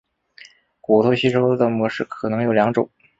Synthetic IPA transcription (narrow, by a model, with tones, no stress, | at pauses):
ku˨˩t̪ʰɔ˥ʊɕi˥ʈ͡ʂʰo˥ʊd̪ə˨˩mwɔ˧˥ʂɻ̩˥˩kʰɤ˨˩nɤ˧˥ŋjo˨˩ʊljɑ˧˥ŋʈ͡ʂʊ˨˩˦ŋ